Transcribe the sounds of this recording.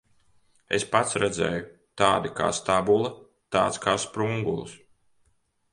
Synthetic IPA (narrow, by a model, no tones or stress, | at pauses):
espat̪sɾɛd̪zʲɛ̰ːju | t̪aːd̪ika̰ːst̪abulˠɐ | t̪aːt̪skaːspɾuŋɡṵlˠs